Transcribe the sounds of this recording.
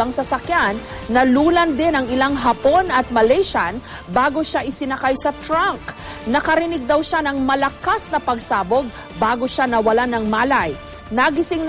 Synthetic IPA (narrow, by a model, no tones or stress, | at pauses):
ɐŋsɐsɐkjanː | ɐluːlɐnd̪ɪnɐŋɪlaŋɦɐpo̞nɐt̪̚mɐlɛjʃan | baːɡo̞ʃaʔɪsɪnɐkajsɐt̪ɾaŋk | nɐkɐɾɪnɪɡ̚d̪ɐwʃanɐŋmɐlɐkasnɐpɐɡsaːboɡ̚ | baːɡoʃanɐwɐlanɐŋmaːlaj | nɐɡɪsɪŋ